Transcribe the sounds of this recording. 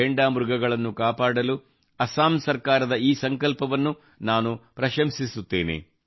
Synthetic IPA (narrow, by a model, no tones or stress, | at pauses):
eɳɖaːmɾuɡɐɡɐɭɐnːukaːpaːɽɐlu | ɐsaːmsɐɾkaːɾɐd̪ɐiːsɐŋkɐlpɐʋɐnːu | naːnupɾɐʃɐmsisut̪ːe̞ːnḛ